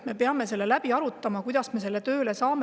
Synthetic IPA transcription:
me̞peɑme̞se̞lːe̞læb̥iɑɾut̪ːˑɑmɑkujd̪ɑsme̞s̬e̞lːe̞t̪ø̞ːle̞sɑːme

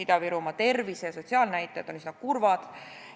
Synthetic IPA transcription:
it̪ɑviɾumɑt̪e̞rvisejɑso̞t̪ʲsiɑːlnæjt̪ːˑed̪̥onisinɑkurvɑd̪̥

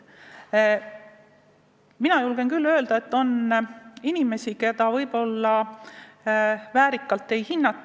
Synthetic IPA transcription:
minɑjulɡe̞nkylːø̞ːld̪̥ɑet̪ːo̞n | inime̞sike̞d̪̥ɑvɤjb̥o̞lːɑ | væːɾikːˑɑlt̪ːˑe̞jhinːɑt̪ːˑ

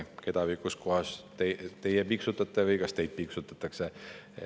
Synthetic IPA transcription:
ke̞d̪̥ɑvikusko̞ɦɑst̪et̪e̞jepiksut̪ːˑɑt̪ːˑevɯjkɑst̪e̞jd̪̚piksut̪ːˑɑt̪ːˑɑkse

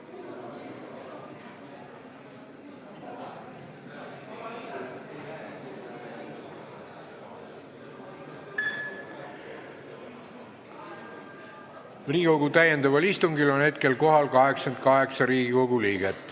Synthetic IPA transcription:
riːɡikoɡut̪æjend̪ɑvɑlist̪umɡilo̞nhe̞t̪̚ke̞lko̞ɦɑlkɑɦe̞ksɑnd̪kɑɦe̞ksɑɾiːɡiko̞ɡ̥uliːɡ̥et̪ːˑ

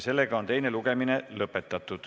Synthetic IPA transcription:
se̞lːe̞ɡ̥ɑo̞nt̪e̞jne̞luɡ̥e̞mine̞lɤpːˑe̞t̪ːˑɑt̪ːˑud̪̥

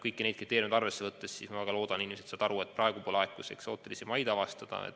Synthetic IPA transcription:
kɤjkːine̞d̪̚krit̪eɾjumd̪ɑrve̞sːe̞vɤt̪ːessiːsmɑvæɡ̥ɑlo̞ːd̪̥ɑninimeset̪sɑːd̪̥ɑɾue̞t̪̚prɑeɡ̥upolɑekːˑusḛkso̞ːtt̪ːelisemɑjd̪ɑvɑst̪ɑd̪̥ɑ̰ḛt̪ː

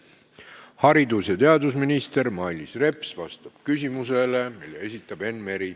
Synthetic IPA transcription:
hɑɾid̪usjɑt̪e̞ɑd̪usminist̪e̞ɾmɑilʲisre̞psvɑst̪ɑb̥kys̬ʲimuse̞le̞milːḛe̞sʲit̪ːˑɑb̥e̞nme̞ɾi

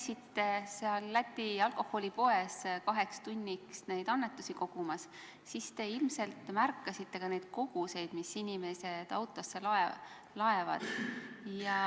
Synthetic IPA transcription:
sit̪ːe̞seɑlːæt̪ʲːiɑlko̞hːo̞lʲipo̞e̞skɑɦe̞kst̪unʲːiksne̞jd̪̥ɑnːe̞t̪ːˑusiko̞ɡ̥umɑs | sist̪e̞ilmse̞lt̪mærkːɑsit̪ːe̞kɑne̞jd̪̥ko̞ɡ̥use̞jd̪̥misinʲime̞se̞d̪̥ɑ̰wt̪ˑo̞sːelɑe | lɑe̞vɑ̰d̪̥jɑ

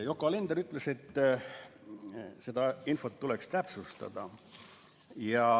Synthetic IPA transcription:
jokːˑɑlend̪eɾyt̪ːˑlese̞t̪ː | sed̪ɑinfo̞t̪ːulekst̪æpsust̪ɑ̰d̪̥ɑ̰ | jɑ

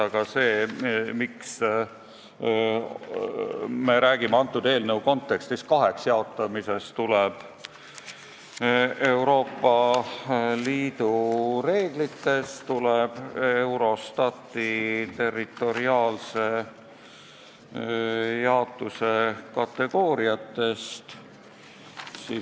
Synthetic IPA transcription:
ɑɡ̥ɑse̞ːmiks | me̞ɾæːɡimeɑnt̪ːˑud̪̥e̞ːlnəwko̞nt̪ːˑe̞kst̪is̚kɑɦe̞ksjɑo̞t̪ːˑɑmise̞st̪uleb̥ | e̞wɾo̞ːpːɑ | liːd̪̥ure̞ːɡ̥lit̪ːe̞st̪uleb̥e̞wɾo̞st̪ɑt̪ːˑit̪e̞rːit̪ːˑo̞ɾiɑːlse̞ | jɑot̪ːˑuse̞kɑt̪ːe̞ɡ̥o̞ːɾiɑt̪ːe̞st̪ | si

